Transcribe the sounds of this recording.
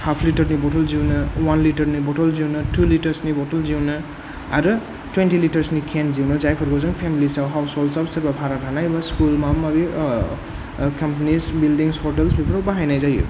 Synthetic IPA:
hapʰliʈʌrniboʈʌld͡ziwnʌwanliʈʌrniboʈʌld͡ziwnʌʈuliʈʌrsniboʈʌld͡ziwnʌ | aɾu | ʈwenʈiliʈʌrsnikʰend͡ziwnʌd͡zajkʰʌɾkod͡zʌŋpʰemilisawɦawsolsʌbsiɾbapʰaɾaɾʰʱanajbʌskulmamʌbi | kʌmpanisbilɖiŋshoʈelsbipɾawbaɦajnajd͡zaj̰

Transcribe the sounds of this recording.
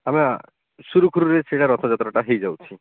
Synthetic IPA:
amia | ʃuɾukʰuɾuɾeseʈaɾɔt̪ʰad͡ʑat̪ɾɔʈaɦejd͡ʑawt͡ʃʰi

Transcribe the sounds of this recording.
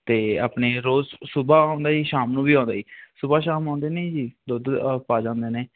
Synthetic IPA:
t̪eːa̰ːpneːɾoːzsʊbaːãːnd̪aːiːʃaːmnũːbiːãːnd̪aːiːsʊbaːʃaːmãːnd̪eːnẽd͡ʒiːd̪ʊd̪paːd͡ʒãːnd̪eːnẽː

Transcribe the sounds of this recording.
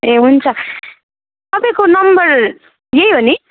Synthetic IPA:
eɦunt͡sʰʌ | ʌbʌkonʌmbʌr | jeiɦoni

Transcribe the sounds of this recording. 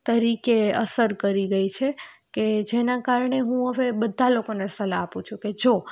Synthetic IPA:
t̪əɾikeə̰səɾkəɾiɡəit͡ʃʰeked͡ʒenakaɾɳeɦũəʋebəd̪ʱːalokonesəlaːpũt͡ʃʰũked͡ʒo

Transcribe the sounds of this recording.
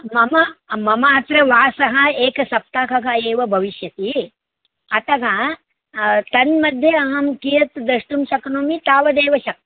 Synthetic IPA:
mɐmɐmɐmɐɐt̪ɾɐʋaːsɐɦɐ̆eːkɐsɐp̚t̪aːkɐkɐeːʋɐbʱɐʋiʃjɐt̪i | ɐt̪ɐkɐ | t̪ɐnmɐd̪ʱjɐɐɦɐmkijɐt̪d̪ɾɐʂʈumʃɐknuːmit̪aːʋɐd̪eːʋɐʃɐk̚ti̥

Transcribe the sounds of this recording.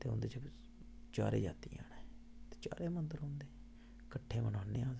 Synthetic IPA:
t̪eːɦʊ̰̃ːnd̪eːt͡ʃəb | t͡ʃaːɾḛːd͡ʒa̰ːt̪iːa̰ːneːt̪eːt͡ʃa̰ːɾeːmənd̪əɾɦõːnd̪eː | kəʈʰːẽːmənãːnẽːãː

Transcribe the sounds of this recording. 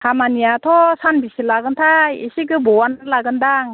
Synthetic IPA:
hamanijat̪ʰɔsanbisilaɡɯnt̪ʰajisiɡɯbɔwanɯlaɡɯndaŋ

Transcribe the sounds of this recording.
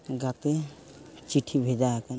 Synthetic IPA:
ɡat̪e | t͡ʃiʈʰibʱed͡ʒaka

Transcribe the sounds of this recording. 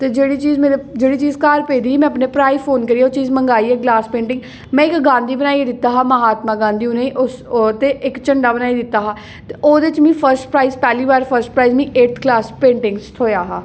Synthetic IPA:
t̪eːd͡ʒeːɽiːt͡ʃiːzmeːɾed͡ʒeːɽiːt͡ʃiːzkaːɾpeːd̪iːmɛ̃ːəpneːpɾaːiːpʰoːnkəɾiːaoːt͡ʃiːzməŋɡaːiːɛːɡlaːspẽːɳʈɪŋɡ | mɛ̃ːɪkɡãːnd̪iːbənaːid̪ɪt̪ːaːɦaːməɦaːt̪mãːɡãːnd̪iːũːnẽʔʊst̪eːʔɪkt͡ʃəɳɖaːbənaːiːd̪ɪt̪ːaːɦaː | t̪eoːd̪eːɪt͡ʃmĩːpʰəɾsʈpɾaːiːzpɛːliːbaːɾpʰəɾsʈpɾaːiːzmĩːʔeːʈ̪ʰklaːspẽːɳʈɪŋɡst̪ʰoːjaːɦaː

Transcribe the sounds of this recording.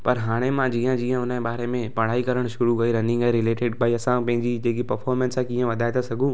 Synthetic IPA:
pɐɾɦaːɽ̃emãd͡ʑiːə̃d͡ʑiːə̃ʊnəbaːɾemẽpɐɽ̤aːikɐɾəɽ̃ʃʊɾukɐiɾɐnɪ̃ŋɡaiɾɪleːʈeɖbʱaːiɐsãpɐ̃ɦɪ̃ɲd͡ʑid͡ʑeːkipɐɾfʰɔːɾmɛ̃nsãkĩːə̃ʋɐd̪ʱaːet̪ʰasɐɡʱũː

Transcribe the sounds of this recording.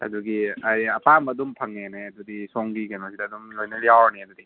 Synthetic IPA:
ɐ̰d̪uɡiajɐpambɐːdumpʰɐŋneneɐdudisɔŋɡikenosidɐːdumlojnɐɾijawɾniɐd̪udi

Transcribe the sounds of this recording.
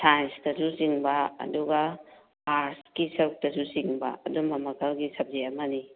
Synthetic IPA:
sʰajnsdɐsusiŋbɐɐ̰duɡa | aɾskisɐɾuk̚tɐsusiŋbɐ̰ɐ̰dumɐmɐkʰɐlɡisɐb̚zeɐmɐni

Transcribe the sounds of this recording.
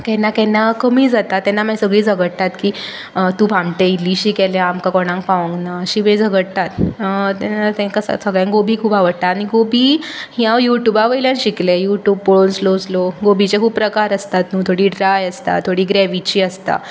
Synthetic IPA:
kɛnːakɛnːakəmiːd͡zat̪at̪ːɛnːamãsəɡɭiːd͡zʱəɡəɽt̪at̪kiː | t̪ũbʱãmʈeilːiɕikɛlaamkakɔɽ̃ãŋk̚paʋə̃ŋɡnaəɕiʋẽd͡zʱəɡəɽt̪at̪t̪ɛnat̪ɛ̃ŋkassəɡɭãŋɡobʱiːkʰuːpaʋəɽt̪aːɽ̃iɡobiːhiãʋjuʈjubaʋəjljanɕiklejuʈjuːb̚pɭonslosloɡobʱit͡ɕekʰuːbpɾəkaɾəst̪at̪nũːt̪ʰoɽiːɖɾajəst̪a̰t̪ʰoɽiːɡɾɛʋit͡ɕiːəst̪a̰

